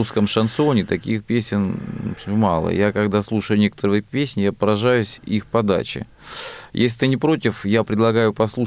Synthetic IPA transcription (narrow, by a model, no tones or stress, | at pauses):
uskəmʂɐnt̪sonʲɪt̪ɐkʲixpʲesʲɪn | mɑlˠə̰jakɐɡd̪aslˠuʂəjʊnʲe̞kə̥t̪əɾɨjəpʲesʲnʲɪjapəɾɐʐajʊsʲixpɐd̪a̰t͡ɕɪ̰ | jʔḛsʲlʲɪt̪ɨnʲɪpɾo̞t̪ʲɪfjapɾʲɪd̪lˠɐɡajʊpɐslˠu